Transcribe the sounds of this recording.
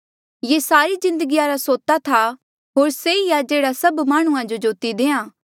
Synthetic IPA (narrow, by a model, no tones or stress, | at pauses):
jeːsaːɾizɪ̃nd̪əɡijaːɾasoːt̪at̪ʰa | ɦoːɾseijad͡ʒeːɽasɐbmaːɽ̃ũãd͡ʒod͡ʒoːt̪id̪eːãː